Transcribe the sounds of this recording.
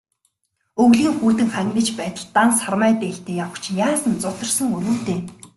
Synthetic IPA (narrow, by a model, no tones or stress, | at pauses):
ɵɣɮiːŋxuːt̪ɘ̆ŋχæŋʲnə̆t͡ɕpæːt̪ə̆ɮt̪ansarmæːt̪eɬt̪eːjawə̆kt͡ɕʰjaːsə̆nt͡sʊt̪ɞ̆rsə̆ŋɵɾuːt̪eː